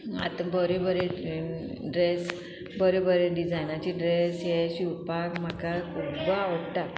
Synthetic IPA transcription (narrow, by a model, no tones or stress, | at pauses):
a̰t̪ãbəɾebəɾe | ɖɾes | bəɾebəɾeɖid͡zajnat͡ɕiɖɾesɦeɕipakm̤akakʰubaoʈa